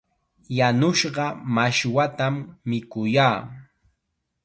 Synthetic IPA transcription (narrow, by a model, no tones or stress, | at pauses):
janʊʃɢɑmaʃwat̪amːɪkʊjaː